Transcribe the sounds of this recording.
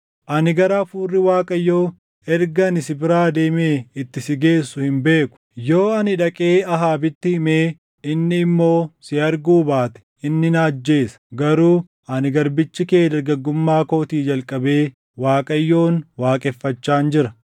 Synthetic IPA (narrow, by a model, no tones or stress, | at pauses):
ʔɐnɪɡɐɾaːfuːrːɪwaːkʼɐjːo̞ː | ɛɾɡɐnɪsɪbɪɾaːd̪e̞ːme̞ːɪt̪ːɪsɪɡe̞ːsːʊhɪmbe̞ːkʊ̥jo̞ːɐnɪᶑɐkʼeːɐɦaːbɪt̪ːɪhɪme̞ː | ɪnːɪːmːo̞ːsɪɐɾɡuːbaːt̪ɛ̥ | ɪnːɪnaːd͡ʒːe̞ːsɐ̥ɡɐɾuː | ɐnɪɡɐɾbɪt͡ʃːɪkeːd̪ɐɾɡɐɡːʊmːaːko̞ːt̪iːd͡ʒɐlkʼɐbe̞ː | waːkʼɐjːo̞ːnwaːkʼɛfːɐt͡ʃːaːnd͡ʒɪɾɐ